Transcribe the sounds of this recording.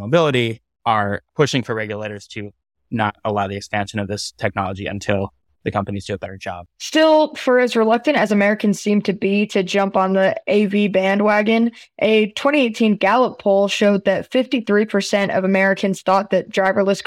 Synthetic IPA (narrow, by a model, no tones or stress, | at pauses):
moʊbɪlˠəɾi | ə˞pʰʊʃɪ̃ŋfə˞ɹɛɡjɨleɪɾə˞z̥tʰɨ | nə̰ɾəlaʊðiɨkspæ̃nʃɨ̃nʌvðɪstʰɛk̚nɑ̰lˠəd͡ʒiɨ̰̃ntʰɪlˠ | ðɨkʰʌ̃mpɨniz̥tɨːbɛɾə˞d͡ʒɑ̰b̥̚stɪlˠfə˞ɨzɹəlʌk̚tɨ̃ñtɨzɨmɛɹɨkɨ̃n̩z̥sĩmtʰɨbiɾɨd͡ʒʌ̃mpn̩ðiʔeɪvibæ̃nd̚wæɡɨ̃nʔɨtʰw̥ɛ̃ɾ̃ieɪtʰĩnɡ̥ælˠəpʰoʊlˠʃoʊd̪̚ðɨtfɪftiθɹipʰə˞sɛ̃ntʌ̰vəmɛɹɨkʰɨ̃nz̥θɔt̪̚ðɨt̚d̥ɹaɪvə˞lɪsk